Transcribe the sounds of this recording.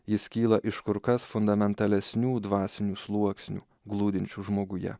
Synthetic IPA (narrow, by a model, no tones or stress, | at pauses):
jɪskʲiːlˠɐʔɪʃkʊɾkɐsfʊnd̪ɐmʲɛnt̪ɐlʲɛsʲnʲuːd̪ʋɑːsʲɪnʲuːslˠuɔksʲnʲṵː | ɡlˠuːd̪ʲɪnʲt͡ʃʲuʒmoːɡʊjɛ̰